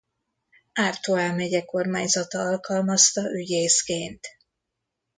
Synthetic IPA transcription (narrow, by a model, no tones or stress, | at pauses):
aːrt̪oaːlmɛɟɛko̞rmaːɲzɒt̪ɒɒlkɒlmɒst̪ɒʔyɟeːskeːnt̪